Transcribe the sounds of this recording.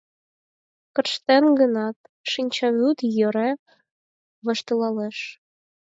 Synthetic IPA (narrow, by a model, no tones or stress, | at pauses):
kɤ̆rʃt̪enɡə̆nɑt̪̚ | ʃinʲt͡ɕɑβut̪jø̆ɾe | βɤ̆ʃt̪ɤ̆lɑleʃ